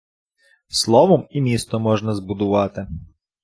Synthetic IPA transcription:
slˠɔʋɔmimʲist̪ɔmɔʒnɐzbʊd̪ʊʋɑt̪ɪ

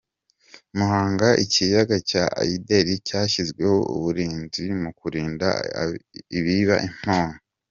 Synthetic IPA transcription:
muhaːŋɡaʔicijaɡacaʔa̰ideɾicaːʃizɡwe̞ho̞ṵβuɾiːnzimukuɾiːnda̰ | iβiβa̰ʔim̥haːŋo

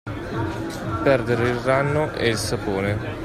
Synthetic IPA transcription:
pɛrd̪eɾeilranːoʔḛilsapoːne

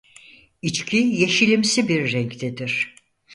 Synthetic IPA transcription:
it͡ʃcʰijeʃilʲimsibiɾːɛŋct̪ʰɛd̪iɾ̥

